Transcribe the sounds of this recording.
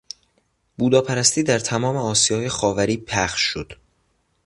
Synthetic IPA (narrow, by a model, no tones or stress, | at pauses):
b̥uːd̪ɒːpʰæɾæst̪iːd̪æɾt̪ʰæmɒːme̞ɒːsijɒːje̞xɒːvæɾiːpʰæxʃːod̪̥